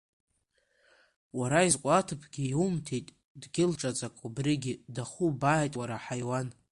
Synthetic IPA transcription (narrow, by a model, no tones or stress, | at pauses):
waɾaizkʷʼatʰɨpʰɡʲiumtʰijtʼ | dɡʲɪlʈ͡ʂʼat͡sʼakʷʼubriɡʲidaχubaːjtʼwaɾaħajwan